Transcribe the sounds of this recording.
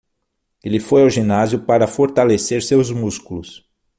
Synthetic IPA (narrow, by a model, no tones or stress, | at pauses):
elɪfojawʒinazjʊpaɾɐfoɾt̪aleseɾsewzmuskulʊs